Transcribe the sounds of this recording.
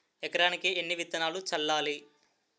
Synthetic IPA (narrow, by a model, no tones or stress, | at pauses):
ɛkɐɾaːnikienːiʋit̪ːɐnaːlut͡ʃɐlːaːli